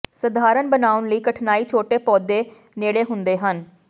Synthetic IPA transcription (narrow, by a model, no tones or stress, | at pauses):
səd̪ʱaːɾənbənaːʊnləiːkəʈʰnaːiːt͡ʃʰoːʈeːpɔːd̪eː | neːɽeːɦʊnd̪eːɦən